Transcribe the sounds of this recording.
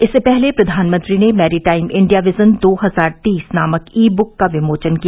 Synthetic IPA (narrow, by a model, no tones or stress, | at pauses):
ɪsːepɛɦlepɾɐd̪ʱaːnmɐ̃nt̪ɾinemɛːɾiʈaːɪmɪ̃ɳɖijaʋɪzənd̪oːɦɐzaːɾt̪iːsnaːməkiːbʊkːaʋɪmoːt͡ʃənkija